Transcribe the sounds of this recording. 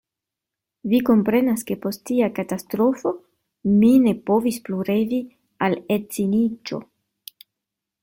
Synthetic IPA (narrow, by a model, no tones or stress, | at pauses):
viko̞mpɾe̞naske̞po̞sttiakatastɾo̞fo̞ | mine̞po̞vispluɾe̞vi | alet͡sinit͡ʃo̞̰